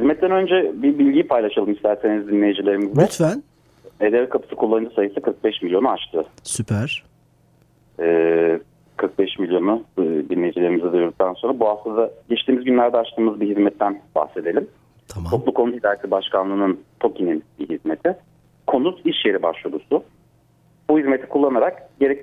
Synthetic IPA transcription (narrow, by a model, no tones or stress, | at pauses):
hizmɛt̪̚ːɛnø̞nd͡ʒɛbibilʲɟijpʰajlˠaʃalˠɯmist̪ʰæɾse̞nizd̪inlʲejid͡ʒilʲe̞ɾimizd̪ɛyt̪væn | ed̪ɛvkʰapʰɯ̥sɯ̥kʰulˠːanɯnd͡ʒ̪ɯsajɯsɯkʰɯɾk̚bɛʃmilʲjo̞nuat͡ʃt̪ʰɯsypʰæɾ̥ | ɛː | kʰɯɾk̚bɛʃmilʲjo̞nud̪inlʲe̞jd͡ʒilʲe̞ɾimizɛd̪ɯjoɾd̪uk̚t̪anso̞nɾabuɦaft̪ˠɯzd̪aɟɛt͡ʃt̪iːmizɟynlʲæɾd̪ɛat͡ʃt̪ʰɯːmɯzbiɦizmɛt̪ʰːænba̰hse̞d̪e̞lʲim | t̪ʰo̞klˠukʰo̞nut̪hid̪aːjesibaʃkʰanlˠɯːnɯnt̪ʰo̞cʰininbiɦizme̞t̪ʰɪ | kʰo̞nut̪ʰiʃjeɾibaʃlˠod̪usʊ | buhizmet̪ʰi̥kʰulˠːanaɾakɟe̞ɾɛc